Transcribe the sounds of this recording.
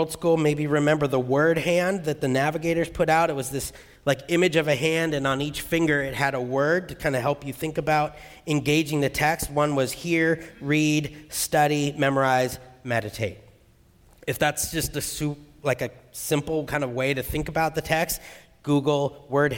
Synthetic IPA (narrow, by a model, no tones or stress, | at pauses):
lˠd̥skulˠmeɪbiɹɨmɛ̃mbə˞ðəwɜ˞d̚hæ̃nðɨt̪̚ðɨnævɨɡeɪɾə˞z̥pʰʊɾaʊɾɨt̚wʌzðɪs | laɪkɪ̃mɨd͡ʒʌvɨɦæ̃ndɨ̃nə̃nit͡ʃfɪ̃ŋɡə˞ɨt̚hɨɾəwɜ˞d̚tʰɨkʰãɪ̃ndɨɦɛlˠpjɨθɪ̃ŋkɨbaʊɾ | ɨ̃nɡeɪd͡ʒɪ̃ŋðɨtʰɛkst̚wʌ̃nwʌz̥hiɹɹidstʌɾimɛmə˞aɪzmɛɾɨtʰeɪt̚ | ɨfðætsd̥ʒ̥ʌstɨsʉp̚laɪkɨsɪ̃mpl̩ˠkʰãɪ̃ndʌvweɪɾɨθɪ̃ŋkəbaʊt̪̚ðɨtʰɛkst | ɡ̥uɡl̩ˠwɜ˞d̚